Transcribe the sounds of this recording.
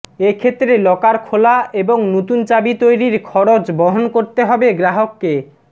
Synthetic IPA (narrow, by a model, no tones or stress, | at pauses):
ekʰet̪ːɾelɔkaɾkʰolaeboŋnot̪unt͡ɕabit̪ojɾiɾkʰɔɾot͡ɕbɔɦonkoɾt̪eɦɔbeɡɾaɦokːe